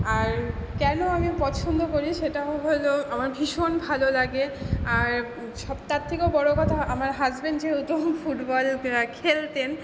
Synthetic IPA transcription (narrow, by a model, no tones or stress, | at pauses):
aɾkɛnoamipɔt͡ɕʰond̪ʱokoɾiʃeʈaɦojloamaɾbʱiʃonbʱalolaɡeaɾ | ʃɔbt̪at̪ʰːikobɔɽokɔt̪ʰaamaɾɦazbenɖd͡ʑeut̪omfuʈbɔlkʰelt̪en